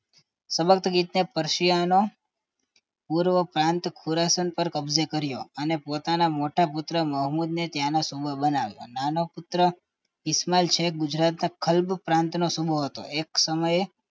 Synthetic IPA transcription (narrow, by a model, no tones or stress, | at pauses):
səbək̚t̪əɡit̪nepəɾʃijano | puɾʋəpɾãnt̪kʰuɾasənpəɾkəbzekəɾjo̰ənepot̪anamoʈapʊt̪ɾəməɦmud̪net̪janasubʱəbənaʋjo̰nanopʊt̪ɾə | ɪsmalt͡ʃʰeɡʊd͡ʒɾat̪nakʰəlbpɾãnt̪nosubʱoɦət̪o̰ʔeksəməje